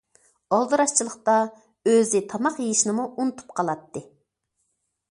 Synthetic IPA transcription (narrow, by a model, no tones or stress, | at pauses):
ɑlˠd̪ɨɾɑʃt͡ʃʰilˠəχt̪ɑ | øzɪt̪ʰɑmɑqjejiʃnɨmuunɨt̪ʰu̥pqʰɑlˠɑt̪ːɨ